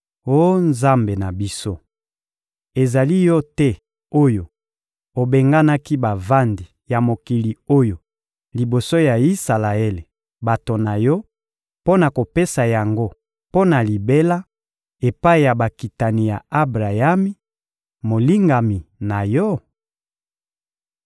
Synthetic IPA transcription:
o˦nza˦mbe˨na˨bi˦so˦ | e˨za˨li˦jɔ˦tɛ˦ | o˦jo˨ | o˨be˨ŋɡa˦na˦ki˦ba˨va˦ndi˨ | ja˨mo˨ki˨li˨o˦jo˨ | li˨bo˨so˦ja˨i˦sa˨la˨e˦le˨ | ba˨to˨na˨jɔ˦ | po˦na˨ko˨pe˦sa˨ja˨ŋɡo˦ | po˦na˨li˨be˦la˦ | e˨pa˦e˨ja˨ba˨ki˨ta˨ni˨ja˨a˦bʁa˨ja˦mi˦ | mo˨li˦ŋɡa˨mi˨na˨jɔ˦

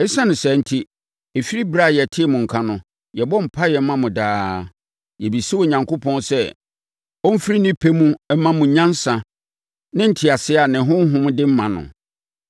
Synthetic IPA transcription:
ɛ˦sã˦nʊ̃˨sɛ˨n̩˦tʰi˦ | e˨fi˦ɾi˦bɾa˦˨jɛ˨tʰɪ˦ɛ˦˨mʊ̃˨ŋ̩˨kʰã˦nʊ̃˨ | jɛ˨bɔ˦m̩˨pʰa˦jɛ˨m̩˦mã˦mʊ̃˨daː˦ | jɛ˨bi˨si˦wɔ˨ɲã˨ŋko˦pʰɔ̃˦nsɛ˦ | ɔ˦m̩˦fi˦ɾi˦nɪ̃˦pʰe˦mũ˦mã˦mʊ̃˨ɲã˦n˦sã˨ | nɪ̃˦n̩˦tʰɪ˨a˨sɪ˦a˨nɪ̃˨ɦʊ̃˦ɦʊ̃˦m˦dɪ˦m̩˦mã˨nʊ̰̃˨

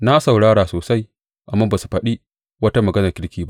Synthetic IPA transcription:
na˦sa˨wɽaː˦ɽaː˨soː˨sa˦j | ʔa˨mːaː˦ba˨su̥˨ɸɐ˦ɗi˦ | wɐ˦ta˦mɐ˨ɡɐ˦nɐ˨kʲɪ˦ɽkʲiː˨ba˦ʔ

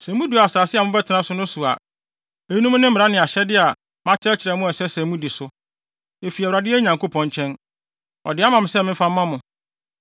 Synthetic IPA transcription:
sæ̃˨mũ˦di˨a˨a˨saː˨sɪ˦a˨mʊ̃˦bɛ˦tʰɪ˨nã˦sʊ˦nʊ̃˦su˨a̰˨ | e˨˦nũ˦m̃˦nɪ̃˦m̩˦m˨ɾa˦nɪ̃˨a˨ɕɛ˦dɪ˦a˨ | mã˦tʰɪ˦ɛ˦t͡ɕʰɪ˨ɾɛ˨mʊ̃˦ɛ˨sɛ˦sæ̃˨mũ˦di˨sʊ˦ | e˨fi˨ɛ˨ɾa˨dɪ˦ɛ˦ɲã˨ŋko˦pʰɔ̃˨ɲt͡ɕʰɛ̃˦n | ɔ̰˨dɪ˨˦a˦mã˨m˨sɛ˦mɪ̃˦m̩˦fã˦mː˦ã˦mʊ̃˨

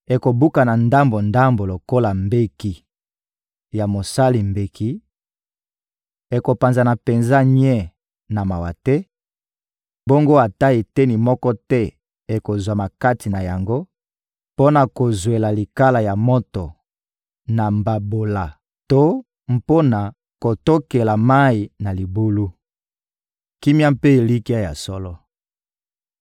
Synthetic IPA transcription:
e˨ko˨bu˦ka˨na˨nda˦mbo˨nda˦mbo˨lo˨ko˦la˨mbe˦ki˨ | ja˨mo˨sa˦li˨mbe˨ki˦ | e˨ko˨pa˨nza˨na˨pe˨nza˦ɲ˦ɛ˦˨ | na˨ma˨wa̰˨tɛ˦ | bo˦ŋɡo˦a˨ta˦e˨te˦ni˨mɔ˦kɔ˦tɛ˦ | e˨ko˨zwa˨ma˨ka˦ti˨na˨ja˨ŋɡo˦ | po˦na˨ko˨zwe˨la˨li˨ka˦la˨ja˨mɔ˦to˨ | na˨mba˨bo˨la˨ | to˦ | m̩po˦na˨ | ko˨to˦ke˨la˨ma˦i˨na˨li˨bu˦lu˦ | ki˦mja˦mpe˦e˨li˦ki˦a˦ja̰˨sɔ˦lɔ˦

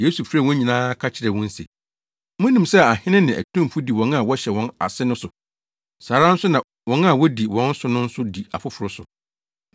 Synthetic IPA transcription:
jeː˦su˨fɾɛ˨wɔ̃˦ɲĩ˨nãː˦kʰa˦t͡ɕʰɪ˨ɾɛ˨wɔ̃˦n̩˦sḛ˨ | mʊ̃˦nĩ˨msɛ˦˨a˨hɪ̃˦nɪ̃˦nɪ̃˨ʔæ̰˨tʰũ˦m˨fu˦di˨wɔ̃˨˦n˦a˨wɔ˦ɕɛ˨wɔ̃˨na̰˨sɪ˦nʊ̃˦sʊ˨ | saː˨ɾa˦n̩˦sʊ˦nã˨ | wɔ̃˦na˦˨wɔ˦di˨wɔ̃˦n̩˦sʊ˨˦nʊ̃˦n̩˦sʊ˦di˨a˨fʊ˦fʊ˨ɾʊ˦sʊ˨

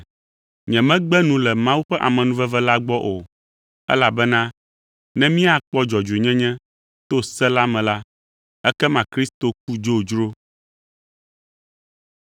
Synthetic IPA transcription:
ɲɛ̃˨mɛ̃˦ɡ͡bɛ˦nũ˨lɛ˨mã˦wu˦ɸɛ˦ʔa̰˨mɛ̃˨nũ˦vɛ˦vɛ˦la˦ɡ͡bɔ˦ʔo˨ | ɛ̰˦la˨bɛ˦nã˦ | nɛ̃˦mĩ˦a˨k͡pɔ˦d͡ʒɔ˨d͡ʒe˨ɲɛ̃˦ɲɛ̃˦ | t̪o˦sɛ˦la˦mɛ̃˨la˦ | ɛ˦kɛ˦mã˨kɾi˦st̪o˨k̚u˦d͡ʒo˦˨d͡ʒɾo˦

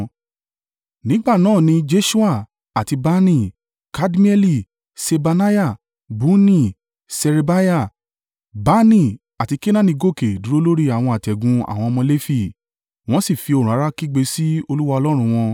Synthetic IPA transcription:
nĩ˨˦ɡ͡ba˦˨nãː˦˨nĩ˧d͡ʒe˧ʃu˦a˦˨ | a˨ti˧ba˦nĩ˦˨ | ka˦dmi˦ɛ˦li˦˨ | se˧ba˧na˦ja˦˨ | bu˨˦nĩ˦˨ | sɛ˧ɾe˧ba˦ja˦˨ | ba˨˦nĩ˦˨ | a˨ti˧ke˦nã˦nĩ˧ɡo˦˨ke˨du˨˦ɾo˦lo˦ɾi˦a˨w̃ɔ̃˧a˨tɛ˨ɡũ˧a̰˨w̃ɔ̃˧ɔ˧mɔ̃˧le˦fi˦˨ | w̃ɔ̃˦si˦˨fi˧o˨ɾ̃ũ˨a˨˦ɾa˦ki˦ɡ͡be˧si˦o˧lu˦wa˧ɔ˧lɔ˦ɾ̃ũ˧w̃ɔ̃˧

